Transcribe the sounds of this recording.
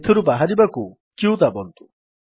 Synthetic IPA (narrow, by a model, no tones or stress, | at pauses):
t̪ʰɯɾɯbaɦaɾibaku | kiud̪abɔnt̪u